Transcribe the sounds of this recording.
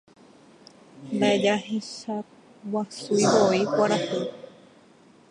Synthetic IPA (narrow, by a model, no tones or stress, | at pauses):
mbaed͡ʒaɦesa | wasuiβoikʷaɾahu